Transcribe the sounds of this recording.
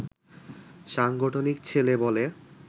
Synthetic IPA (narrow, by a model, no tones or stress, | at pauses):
ʃaŋɡoʈʰonikt͡ɕʰelebɔle